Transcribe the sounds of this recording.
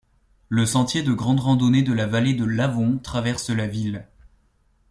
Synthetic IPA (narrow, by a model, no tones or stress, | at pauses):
ləsɑ̃t̪jed̪əɡʁɑ̃d̪ʁɑ̃d̪ɔned̪əlavaled̪əlavɔ̃t̪χavɛʁsəlavil